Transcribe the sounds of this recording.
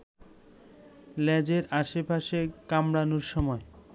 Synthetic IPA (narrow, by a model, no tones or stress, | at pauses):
lɛd͡ʑeɾaʃepaʃekamɾanoɾʃɔmɔe